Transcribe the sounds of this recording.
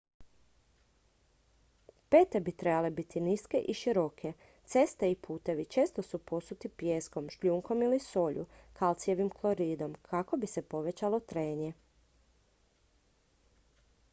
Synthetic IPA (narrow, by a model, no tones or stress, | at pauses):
pe̞ːt̪e̞bit̪ɾe̞bale̞bit̪iniske̞ʔiʃiɾo̞kʰe̞ | t̪se̞st̪eipʰuːt̪e̞ʋit͡ʃe̞ːst̪osupo̞sut̪ipjeːsko̞mʃʎuːŋko̞miliso̞ːʎṵkʰalˠt̪sjeʋimklˠo̞ɾiːd̪o̞mkʰako̞bise̞po̞ʋe̞t͡ʃalo̞t̪ɾeːɲe